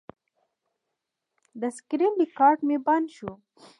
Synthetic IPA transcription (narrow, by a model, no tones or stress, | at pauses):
d̪əskɾinlikɑɾʈmebanʃu